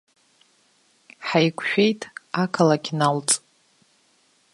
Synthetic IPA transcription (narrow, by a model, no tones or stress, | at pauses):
ħajkʷʰʃᶣe̞jtʼakʰalakʲʰnalt͡sʼ